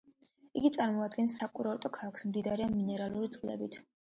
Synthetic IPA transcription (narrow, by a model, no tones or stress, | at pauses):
iɡit̪sʼaɾmɔad̪ɡɛnsːakʼuɾɔɾt̪ʼɔkʰaksmd̪id̪aɾɛanminɛɾaluɾit̪sʼqʼlɛ̰bit̪ʰ